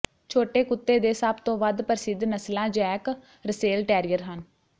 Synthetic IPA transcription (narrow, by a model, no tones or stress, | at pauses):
t͡ʃʰoːʈeːkʊt̪ːeːd̪eːsəbt̪õːʋəd̪pəɾsɪd̪nəslãːd͡ʒɛːk | ɾəseːlʈɛːɾijəɾɦən